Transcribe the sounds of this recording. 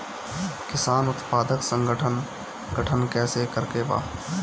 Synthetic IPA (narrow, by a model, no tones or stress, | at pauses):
kɪsaːnʊt̪paːd̪əksə̃ŋɡəʈʰən | ɡʱəʈʰənkɛːsekəɾkeba̰ː